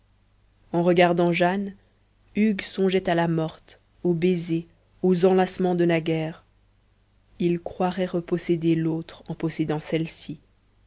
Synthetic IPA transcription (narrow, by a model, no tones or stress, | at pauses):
ɑ̃ʁəɡaʁd̪ɑ̃ʒan | yɡsɔ̃ʒɛt̪alamɔʁt̪ | obeze | ozɑ̃lasmɑ̃d̪əlaɡʲɛːʁ | ilkχwaʁɛʁəpɔsed̪elot̪χɑ̃pɔsed̪ɑ̃sɛlsi